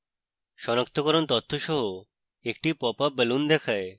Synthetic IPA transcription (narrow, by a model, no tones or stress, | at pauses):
ʃɔnak̚t̪ʰokɔɾont̪ɔt̪ʰːoʃɔɦo | ek̚ʈipɔpabelund̪ɛkʰae